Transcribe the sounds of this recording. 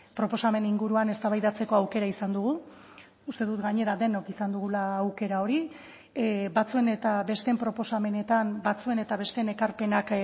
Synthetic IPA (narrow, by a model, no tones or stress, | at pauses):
pɾo̞po̞same̞niŋɡuɾuane̞st̪aβajðat͡se̞ko̞awke̞ɾaisand̪uɣu | ust̪e̞ðut̪ɡaɲe̞ɾad̪e̞no̞kisand̪uɣ̞ulaːwke̞ɾao̞ɾi | bat͡sue̞ne̞t̪aβe̞st̪e̞mpɾo̞po̞same̞ne̞t̪ambat͡sue̞ne̞t̪aβe̞st̪ene̞kaɾpe̞nak